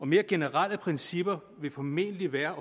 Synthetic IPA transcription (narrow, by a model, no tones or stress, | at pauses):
ɒ̽me̝ːɐɡ̥e̝nəʁal̰əpʰʁɛnsib̥ɐ | ʋe̝fɒ̽me̝̰nliʋæːɐ